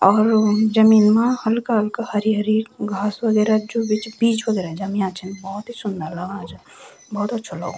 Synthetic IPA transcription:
ɔːɾd͡ʒəmiːnmãhəlkaɦəlkahəɾiɦəɾiːɾɡʱaːswəɡɛːɾad͡ʒubɪt͡ʃbiːd͡ʒʋəɡɛːɾad͡ʒɐmjãt͡ʃʰənbɔɦʊt̪ɦisʊnd̪ələɡaːd͡ʒ | bɔɦt̪ɐtːʃʰalə̰ɡo

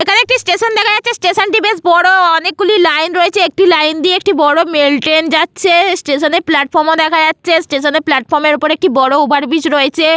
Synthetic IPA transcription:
ekʰaneekʈisʈeʃond̪ɛkʰajatːt͡ɕʰesʈeʃonʈibesbɔɽoɔnek̚ɡulilajnɾoet͡ɕʰeek̚ʈilajnd̪ieek̚ʈibɔɽomelʈend͡ʑatːɕʰesʈeʃoneɾplaʈ̚fɔɾmod̪ɛkʰad͡ʑatːɕʰesʈeʃoneɾplaʈfɔɾmeɾupoɾek̚ʈibɔɽoubʱaɾbit͡ɕɾoet͡ɕʰe

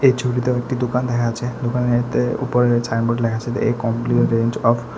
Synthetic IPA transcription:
et͡ʃʰuʈit̪eɔek̚ʈid̪okand̪ɛkʰat͡ʃʰed̪okanet̪eṵpɔɾesajnboʈlɛkʰat͡ɕʰet̪ḛekɔmpliɾend͡ʑɔpʰ

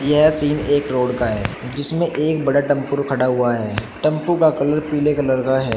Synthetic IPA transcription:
jɐɦɛsiːneːkɾoːɖkaɦɛː | d͡ʒɪsmẽʔeːkbɐɽaʈɐ̃mpʊɾkʰɐɽaɦʊaɦɛːʈɐ̃mpukakɐləɾpiːlekalɐɾkaɦɛː

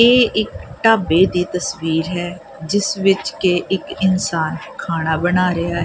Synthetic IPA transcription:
eːɪkʈaːbeːd̪iːt̪əsʋiːɾɦɛː | d͡ʒɪsʋɪt͡ʃkeːʔɪkɪnsaːnkʰaːɽ̃aːbənaːɾɪaːɦɛ

